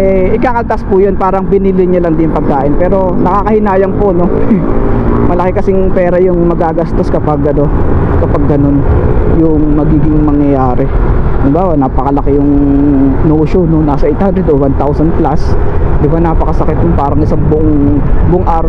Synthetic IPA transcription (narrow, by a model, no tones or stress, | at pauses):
ɛʔɪkaːkɐlt̪aspʊjonpaːɾɐŋbɪnilɪɲɐlɐŋd̪ɪnpɐɡ̚kaːʔɪnpɛːɾo̞nɐkaːkɐhɪnaːjɐŋpono̞ | mɐlɐkɛkɐsɪŋpɛːɾɐjʊŋmɐɡaɡast̪o̞skɐpɐɡːɐno̞kɐpɐɡːɐno̞njʊŋmɐɡiːɡɪŋmɐŋjɐjaːɾɛd̪ɪbawɐnaːpɐkɐlɐkɪjʊŋ | noːʃononːaːsɐʔejt̪hand̪ɾɛd̪owant̪awsɐnplasd̪ɪbanaːpɐkɐsɐkɪt̪̚ɲʊnpaːɾɐŋʔɪsaŋbʊʔoŋ | bʊʔoŋʔaːɾɐ